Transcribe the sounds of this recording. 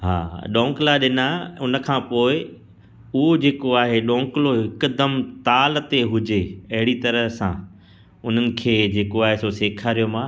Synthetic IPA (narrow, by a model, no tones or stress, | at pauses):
ɦa̰ːɗɔ̃ːŋklaɗɪnaʊnəkʰãːpoːɪ | ʊɦod͡ʑeːkoaːɦeɗõːŋkɪloɦɪkʊd̪əmt̪aːlt̪eɦʊd͡ʑeɐɦɪɽit̪ɐɾəsã̰ | ʊn̤ənɪ̆kʰeːd͡ʑeːkoaːɦesoseːkʰaːɾijomãː